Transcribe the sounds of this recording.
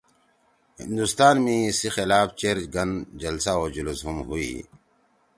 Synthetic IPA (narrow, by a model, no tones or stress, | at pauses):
hɪ̰̃nd̪ust̪aːnmẽsixelaːft͡ɕeɾɡɐnd͡ʒɐlsaoːd͡ʑulusɦumɦuḭː